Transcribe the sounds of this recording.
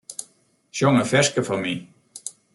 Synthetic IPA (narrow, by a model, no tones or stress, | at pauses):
ʃɔŋəfɛskəfɔmi